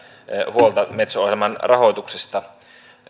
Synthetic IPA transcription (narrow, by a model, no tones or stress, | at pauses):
huolt̪ɑmet̪soohelmɑnrɑɦot̪uksest̪ɑ